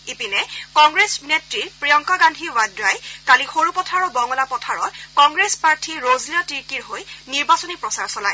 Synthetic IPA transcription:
ipinɛkɔŋɡɹesnetɹiɹpɹijɔŋkaɡandʱiwadɹajtalixoɹupɔtʰaɹɔbɔŋɔlapɔtʰaɹɔkɔŋɡɹespaɹtʰiɹozliɔtiɹkiɹɦojniɹbasɔnipɹɔsaɹsɔlaj

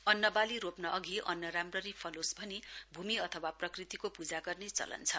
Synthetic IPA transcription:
ʌnːʌbaliɾopnʌʔʌɡiʔʌ̰nːʌɾamrʌɾipʰʌlosbʱʌnibʱumiʌt̪ʰʌwaprʌkrit̪ikopud͡zaɡʌrnet͡sʌ̰lʌ̰nt͡sʰʌ

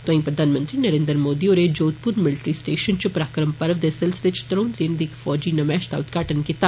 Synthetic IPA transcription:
t̪oʋɐ̃ĩpɾɐd̪ʱaːnmə̃nt̪ɾinɐɾẽːnd̪ɾmoːd̪ioːɾed͡ʒoːt̪̚puɾmɪlʈɾiːsʈeːʃənt͡ʃupɾaːkɾəmpɐɾʋd̪esəlst̪et͡ʃʰt̪ɾõːnd̪ɾend̪ikfɔːd͡ʒinɐmɛːʃt̪a̰ʊt̪ɡaːʈənkit̪aː

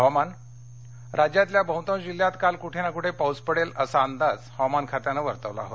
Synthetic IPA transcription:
ɦɔman | ɾad͡ʑjat̪ljabʱə̃wt̪ə̃md͡ʑiljat̪kalkuʈʰenakuʈʰepawd͡zpəɽeləsaːnd̪ad͡zhɔwmankʰat̪janəʋəɾt̪əʋla̰ɦo̰t̪

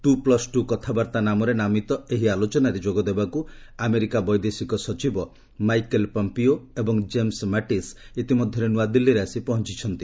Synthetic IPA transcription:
t̪uplɔsʈukɔt̪ʰabaɾt̪anamɔɾenamit̪ɔeɦialot͡ʃɔnaɾed͡ʒoɡɔd̪ebakuameɾikabɔjd̪esikɔsɔt͡ʃibɔ | majkelpɔmpioebɔŋd͡ʒemsmaʈisit̪imɔd̪ʱjɔɾenuad̪ilːiɾeasipɔɦɔnt͡ʃit͡ʃʰɔnt̪i

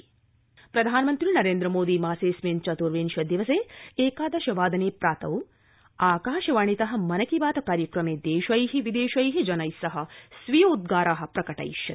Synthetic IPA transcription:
pɾɐd̪ʱaːnmɐnt̪ɾinɐɾeːnd̪ɾɐmoːd̪iːmaːseːsmeːnt͡ʃɐt̪uɾʋeːnʃɐd̪iʋɐseːeːkaːd̪ɐʃɐʋaːd̪ɐneːpɾaːt̪ɐw | aːkaːʃɐʋaːɳ̃it̪ɐɦɐ̆mɐnɐkiʋaːt̪ɐkaːɾjɐkɾɐmeːd̪eːʃɐjɦiʋid̪eːʃɐjɦid͡ʒɐnɐjsɐɦɐ̆sʋijoːud̪̚ɡaːɾaːɦɐ̆pɾɐkɐʈɐ̰jʃɐ

